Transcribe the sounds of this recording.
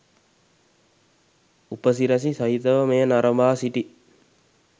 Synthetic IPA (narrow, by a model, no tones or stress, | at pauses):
upəs̬iɾɐs̬isɐɦit̪əʋəmejənaɾɐmbaːsiʈi